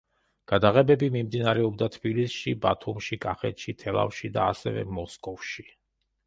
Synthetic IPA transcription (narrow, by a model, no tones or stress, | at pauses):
ɡ̥ad̪aʁɛbɛbimimd̪inaɾɛɔb̚d̪at̪ʰbilisʃibat̪ʰumʃikʼaχɛt̪ʃit̪ʰɛlˠa̰fʃid̪aːsɛvɛ̰mɔskʼɔvʃi